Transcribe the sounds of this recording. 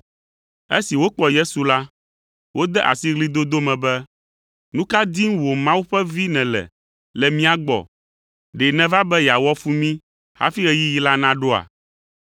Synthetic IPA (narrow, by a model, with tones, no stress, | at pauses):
e˦si˨wo˦k͡pɔ˨je˦su˨la˦ | wo˦d̪ɛ˦ʔa̰˨si˦ɣli˦d̪o˦d̪o˦mɛ̃˨bɛ˦ | nũ˦ka˦d̪i˦ŋ˦wo˨mã˦wu˦ɸɛ˦vi˦nɛ̃˨lɛ̰˨ | lɛ˨mĩ˦a˨ɡ͡bɔ̰˨ | ɖɛ˨nɛ̃˦va˦bɛ˦ja˨wɔ˦fu˦mĩ˦ | ha̰˦fi˦ɣɛ˦ji˦ji˦la˦nã˦ɖo˦a̰˨